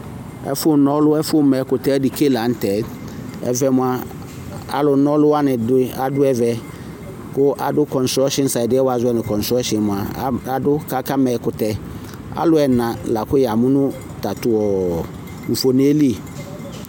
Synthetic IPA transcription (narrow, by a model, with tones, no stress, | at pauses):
ɛ̰˦fʊ˦nɔ˦lʊ˦ɛ˦fʊ˦mɛ˨kʊ˨tɛ˦dɪ˨ke˦˨la˨˦n̩˦tɛ˨˦ | ɛ̰˨vɛ˨mʊ̃˨a˨ | a̰˨lʊ˨˦nɔ˦lʊ˦wa˦nɪ̃˨dɪ˦a˨dʊ˦ɛ˨vɛ˨ | kʊ˦ʔa˨dʊ˦kɔ˨n̩˨sɔ˦ʃɪ˦n̩˦sa˨dɪ˦ɛ˦wa˨zʊ˦ɛ˦nɪ̃˨kɔ̃˨n̩˨sɾɔ˦ʃɪ˨mʊ̃˨a˨˦a˨dʊ˦ka˦ka˦mɛ˨kʊ˨tɛ˦ | a̰˦lʊ˦ɛ˨nã˨la˨kʊ˦jɛ˨a˨mʊ̃˦nʊ̃˦ | ta˨tʊ˨ɔ˨ | ɱ̩˨fo˨ne˦li˦e˨